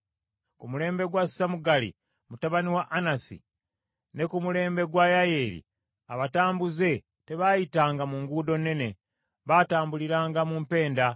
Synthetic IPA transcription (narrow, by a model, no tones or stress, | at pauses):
kumule̞ːmbe̞ɡwassamuɡalḭ | mutaβaniwaʔanasḭ | ne̞kumule̞ːmbe̞ɡwajaje̞ːɾḭ | aβataːmbuze̞ | te̞βajitaːŋɡamuŋɡuːdo̞nːe̞ne̞ | βaːtaːmbuliɾaːŋɡamumpe̞ːnda